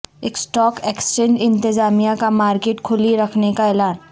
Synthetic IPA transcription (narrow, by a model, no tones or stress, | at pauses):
eːksʈɔːkeːksʈẽːɳɖɪ̃nt̪ɪzaːmijakamaːɾkeːʈkʰʊliɾɐkʰnekaɛːlaːn